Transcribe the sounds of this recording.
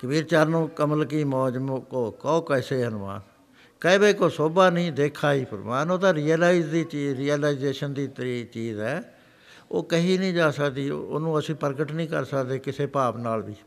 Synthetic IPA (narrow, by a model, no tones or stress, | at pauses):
kəbiːɾt͡ʃaːɾnõːkəməlkiːmɔːd͡ʒmkoːkɔoːkɛːseːənʊma̰ːn | kəẽbeːkoːsoːbaːnĩːd̪eːkʰaːiːpə̰ɾmaːnoːd̪aːɾiːəlaːid͡ʒd̪iːt͡ʃiːɾiːəlaːɪzeːʃənd̪iːt̪əɾiːt͡ʃiːzɛː | o̰ːkəɦiːnĩːd͡ʒaːsəkd̪ḭːo̰ːnũːəsĩːpəɾɡəʈnĩːkə̰ɾsəkd̪eːkɪseːpaːpnaːlʋiː